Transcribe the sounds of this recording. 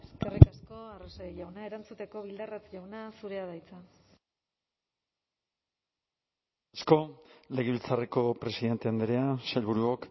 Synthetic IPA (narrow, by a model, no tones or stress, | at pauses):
eskerikasko̞arosaiʎawnae̞ɾant͡sut̪e̞ko̞βild̪arat͡sʎawnasuɾe̞að̞ajt͡sa | asko̞le̞ɣeβilt͡sareko̞pɾe̞siðe̞nt̪e̞and̪eɾeaselβuɾuok